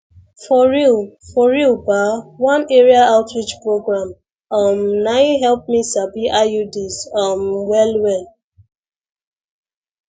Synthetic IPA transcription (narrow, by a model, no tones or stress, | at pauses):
fɔɹilfɔɹilbawãneɹiaaʊtɹit͡ʃpɹoɡɹãm | ɔmnajɦɛlˠp̚misabiʔajudizɔmwɛlwɛ